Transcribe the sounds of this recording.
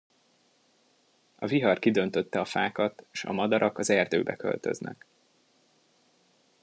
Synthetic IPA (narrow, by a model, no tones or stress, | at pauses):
ɒviɦɒrkid̪ønt̪øt̪ːɛɒfaːkɒt̪ʃɒ̰mɒd̪ɒɾʔɒkɒzɛrd̪ø̰ːbɛkø̞̰lt̪øznɛ̰k